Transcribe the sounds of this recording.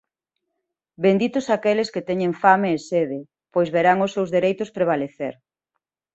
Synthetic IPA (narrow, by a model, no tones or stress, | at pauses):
bend̪it̪ʊsakelɪsket̪ɛɲeŋfameːseðe | pojzβeɾaŋʊsewzðeɾejt̪ʊspɾeβ̞aleθeɾ